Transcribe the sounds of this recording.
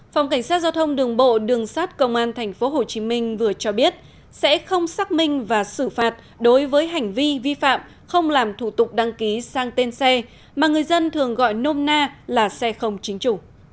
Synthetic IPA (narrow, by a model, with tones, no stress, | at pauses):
fa˨˩wŋ͡mka˧˩jŋ̟saː˦˥t̚za˧wt̪ʰə˧wŋ͡mɗɨ˨˩əŋɓo̰˧˨ɗɨ˨˩əŋsaː˦˥t̚kə˧wŋ͡mʔaː˧nt̪ʰɛ˨˩jŋ̟fo˨˦ɦo˨˩t͡ɕi˨˦mï˧ŋ̟vɨ˨˩ət͡ɕɔ˧ɓi˦˥ət̚ | sɛ̰˧˥xə˧wŋ͡msaː˦˥k̚mï˧ŋ̟vaː˨˩sɨ˧˩faː˨˩t̚ | ɗo˨˦jvəː˨˦jɦa˨˩jŋ̟vi˧vi˧fa̰ː˧˨m | xə˧wŋ͡mlaː˨˩mt̪ʰu˧˩t̪ʊ˨˩k͡p̚ɗa˧ŋki˨˦saː˧ŋt̪e˧nsɛ˧ | maː˨˩ŋɨ˨˩əjzə˧nt̪ʰɨ˨˩əŋɣɔ̰˧˨jno˧mnaː˧laː˨˩sɛ˧xə˧wŋ͡mt͡ɕï˨˦ŋ̟t͡ɕu˧˩˨